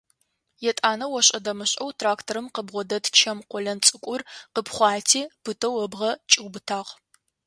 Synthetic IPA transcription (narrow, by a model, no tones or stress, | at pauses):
jɛtʼaːnɐwɔɕʼɐdɐmɨɕʼɐwtʰraːktʰoɾɨmqəbʁʷɔdɐtt͡ʃʰɐmqʷɔɮɐnt͡sʼɨkʷʼʊrqəpχʷɑːtʰiːpʰɨtʰɐwɐbʁɐt͡ʃʼiwbɨtʰaːʁ